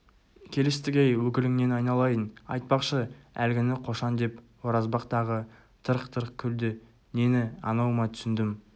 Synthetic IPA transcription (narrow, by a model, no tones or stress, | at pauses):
kʲʰe̞lest̪ɪɡʲejwɵkʲɪlɪŋne̞nɑjnɑlˠɑjənɑjt̪̚pɑqʃəælɡʲɪnɪqʰo̞ʃɑnd̪e̞p | wo̞ɾɑzbɑqt̪ɑʁə | t̪ʰəɾəqt̪ʰəɾəqkʲʰʏld̪ɪ | ne̞nɪɑ̰nɑwəmɑt̪ʰʏsɪnd̪ɪm